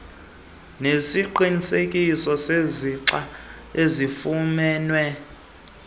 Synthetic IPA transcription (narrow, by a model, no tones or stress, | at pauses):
nesiǃinisekʼisɔseziǀa | ezifumɛːnwɛ